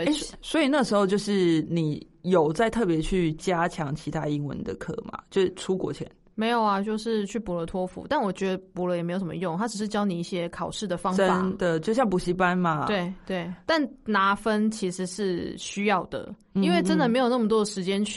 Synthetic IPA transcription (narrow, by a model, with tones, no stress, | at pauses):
swɔ˧˥i˨˩na˥˩ɡəʂɻ̩˧˥xo˥˧ʊt͡ɕjo˥˧ʊʂɻ̩˥˩ni˨˩ | jo˨˩ʊt͡sa˥˧ɪt̪ʰɤ˥˩p̬jɛ˧˥t͡ɕʰy˥˩t͡ɕja˦˥t͡ɕʰjɑ˧˦ŋt͡ɕʰi˧˥t̪ʰa˦i˧˥ŋwə̰˧˦nd̪ə̰˨kʰɤ̰˥ma̰˨˩t͡ɕjo˥˧ʊʂɻ̩˥˩ʈ͡ʂʰu˥kwɔ̰˨˩t͡ɕʰjɛ̰˧˦n | me˧˥ɪjo˨˩ʊɐ˨t͡ɕjo˥˧ʊʂɻ̩˥˧t͡ɕʰy˥˩pu˨˩lə˧˦t̪ʰwɔ˥fṵ˧˥t̪a˥˩nwɔ˨˩t͡ɕɥɛ˧˥d̪ə˧pu˨˥lə˧jɛ˨me˧˥ɪjo˩ʂmə˧jʊ˥˨ŋt̪ʰa˥ʈ͡ʂɻ̩˨˩ʂɻ̩˥˩t͡ɕjɑ˥ʊni˨˩i˥˩ɕjɛ˥kʰɑ˨˩ʊʂɻ̩˥˩d̪ə˩fɑ˥ə˦fa˦n˨d̪ə˨t͡ɕjo˥˧ɕjɑ˥˩ŋpu˨˩ɕi˧˥pa˦nma˨we˥˩ɪt̪we˥˩ɪt̪a˥˩nna˧˥fə˦˥nt͡ɕʰi˧˥ʂɻ̩˧˥ʂɻ̩˥˩ɕy˥jɑ˥˩ʊd̪ə̰˩ | i˥nwe˥˩ɪʈ͡ʂə˦˥nd̪ə˨me˧˥ɪjo˨˩ʊnə˥˩mə˩t̪̬wɔ˥də˩ʂɻ̩˧˥t͡ɕjɛ˥nʰ